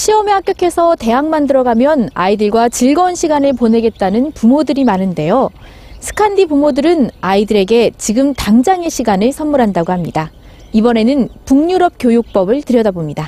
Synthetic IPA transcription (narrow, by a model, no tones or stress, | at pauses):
ɕʰiʌmehak͈jʌkʰe̞sʰʌte̞ɦaŋmandɯɾʌɡamjʌna̰idɯɭɡwat͡ɕiɭɡʌnɕʰiɡanɯɭpone̞ɡe̞t̚t͈anɯnpumodɯɾimanɯnde̞jo | sʰɯ̥kʰandipumodɯɾɯnaidɯɾe̞ɡe̞t͡ɕiɡɯmtaŋd͡ʑaŋe̞ɕʰiɡanɯɭsʰʌnmuɾɦandaɡohamɲida | ibʌne̞nɯnpuŋɲuɾʌp̚k͈jojok̚p͈ʌbɯɭtɯɾjʌdabomɲida